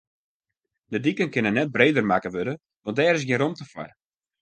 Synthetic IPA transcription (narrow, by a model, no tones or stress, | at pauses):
dədikənkɪnənɛt̚breːdərmakəʋødə | ʋɔ̃ntdɛːɾɪs̬ɡjɪnɾomtəfwa̰r